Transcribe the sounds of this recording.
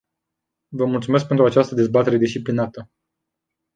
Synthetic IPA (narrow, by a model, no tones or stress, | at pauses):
vəmult̪sumesk̚pent̪ɾuat͡ʃast̪əd̪e̞zbat̪e̞ɾe̞d̪ist͡ʃiplinat̪ə